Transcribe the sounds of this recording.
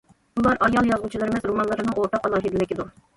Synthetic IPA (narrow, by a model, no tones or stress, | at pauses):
ulˠɑɾʔɑjɑlˠjɑzʁut͡ʃʰilˠɨɾɨmɛzɾomɑnlˠɨɾɨnɨŋoɾt̪ɑqɑlˠɑːɦid̪ɪlɪkʲɪd̪uɾ